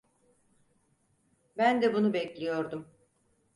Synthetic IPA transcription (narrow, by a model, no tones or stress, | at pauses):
bænd̪ɛbunubɛclʲijo̞ɾd̪um